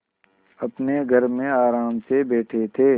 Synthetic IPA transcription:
ɐpneɡʱəɾmẽaːɾaːmsebeːʈʰet̪ʰeː

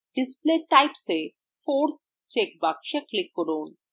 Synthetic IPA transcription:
ɖispleʈajpse | foɾs | t͡ɕek̚bakʃeklikːoɾon

